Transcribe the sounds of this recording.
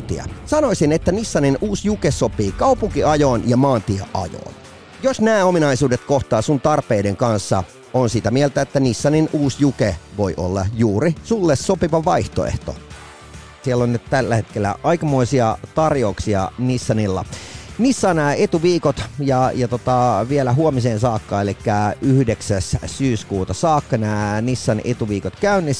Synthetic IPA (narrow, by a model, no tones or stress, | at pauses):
t̪ḭæ̰sɑnoisinet̪ːænisːɑninuːsjukesopiːkɑupuŋkiɑjoːnjɑmɑːnt̪ieʔɑ̰jo̰ːn | josnæːominɑisuːdet̪koht̪ɑːsunt̪ɑrpeːdeŋkɑnsːɑ̰ | onsit̪æmielt̪æet̪ːænisːɑninʔuːsjukeʋo̞iʔo̰lːɑ̰juːɾisulːessopiʋɑʋɑiht̪o̰ḛht̪o̰ | sielːonnyt̪t̪ælːæhet̪kelːæ̰ɑjkɑmoisiɑt̪ɑrjouksiɑ̰nisːɑnilːɑ̰nisːɑːnæːet̪uʋiːkot̪jɑjɑt̪ot̪ɑʋielæɦuomiseːnsɑːkːɑːelikːæyhdeksæssyːskuːt̪ɑsɑːkːɑnæːnisːɑnet̪uʋiːkot̪kæynːis